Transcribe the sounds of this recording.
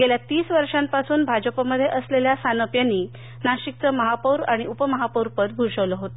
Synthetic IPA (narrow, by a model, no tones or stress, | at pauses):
ɡeljat̪iːsʋəɾʂãmpasuːnbʱad͡ʑəpəməd̪ʱːjeʔəsleljasanəpjanːiː | naɕik̚t͡səməɦapəwɾaɽ̃iʔupəməɦapəwɾpət̪̚ɡʱuɾʂəʋləɦot̪ə